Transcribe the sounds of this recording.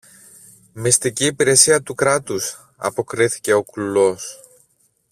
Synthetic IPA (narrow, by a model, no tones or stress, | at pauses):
mist̪iciːpiɾe̞siɐt̪ukɾɐt̪us | ɐ̰po̞kɾiθi̥ce̞o̞klulo̞s